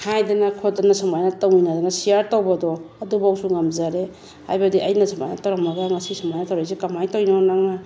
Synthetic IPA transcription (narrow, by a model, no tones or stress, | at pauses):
hajdɐnakʰodanasɐmajnɐtawinadanasijaɾtowbadɔɐdubawsuŋamzaɾe | ha̰jbadiʔɐjnɐsɐma̰jnatawɾamːaɡaŋɐsisɐmajnɐtawɾajsikamajtawinonaŋna